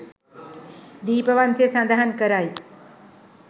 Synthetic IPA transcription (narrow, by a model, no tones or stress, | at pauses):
d̪iːpəʋant͡sʰesãnd̪aɦənkəɾaj